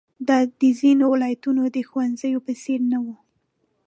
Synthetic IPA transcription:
d̪ɑd̪əzinowɪlɑjat̪unod̪əxwanzəjopəseɾnawu

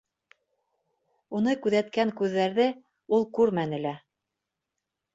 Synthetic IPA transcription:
unɤkʉðæt̪kæŋkʉðːæɾðɘ | ulˠkʉɾmænɘ̆læ

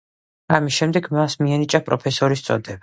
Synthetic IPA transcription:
amisʃɛmd̪ɛɡmasmiɛnit͡ʃʼapʼɾɔpʰɛsɔɾist̪sʼɔ̰d̪ɛba

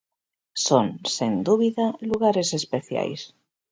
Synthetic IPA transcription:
sonsend̪uβiðaluɣaɾesespeθja̰js

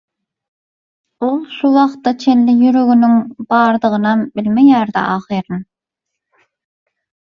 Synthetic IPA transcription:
olˠʃuwɑχt̪ːɑt͡ʃʰenlɪjyɾøɡynyŋbɑːɾd̪ɯʁɯnɑmbɪlʲmejæːɾd̪æ̰ʔɑːχiɾɯn

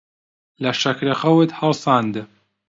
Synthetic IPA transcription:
lɐʃɐkɾexɐwɨt̪hɐlsˤɑːnd̪ɨ

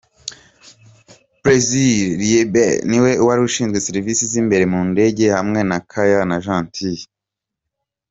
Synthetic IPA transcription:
bɾezilɾebeniwe̞uwaɾiuʃiːnzɡwe̞seɾivisizimbe̞ɾe̞muːnde̞ɟe̞hamŋe̞nakʰajanaʒãːntʰi

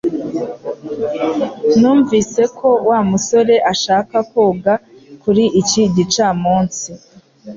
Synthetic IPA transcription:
nuːɱvise̞kʰowamuso̞ɾe̞ʔaʃaːkakoːɡakuɾiʔːciɟit͡ʃaːmuːnsi

